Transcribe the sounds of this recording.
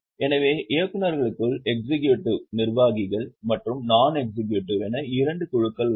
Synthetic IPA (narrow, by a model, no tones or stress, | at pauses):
ɛnɐʋeːʔekːɯnɐɾɣɐɭɯkːɯɭɛk̚sɪkjuʈːɯnɪrʋaːɣɪɣɐɭmɐʈrɯmnaːnɛk̚sɪk̬juʈːiɾɛnɐɪɾɐɳɖɯkʊɻɯkːɐɭ